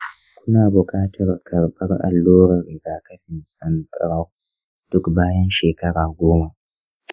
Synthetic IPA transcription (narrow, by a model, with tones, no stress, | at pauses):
kʷʊ˦naː˨bʊ˨kʼaː˦tʰɐ˨rkʰɐ˨rɓɐ˦rʔa̰˨lːoː˦ɽɐ˨ɾɪ˨ɡa˨kɐ˦ɸɪ˨nsɐ˦nkʼɽa˦w | d̥ʊ˦kbaː˦jɐ˦nʃeː˨kɐ˦ɽaː˨ɡʷoː˦ma˨